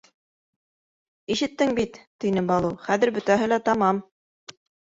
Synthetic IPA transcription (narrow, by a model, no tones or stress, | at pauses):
iʃɘ̆t̪ːɘŋbit̪ːinɘbɑlˠɤχæðɘɾbɵ̆t̪æɦɘ̆læt̪ɑmɑm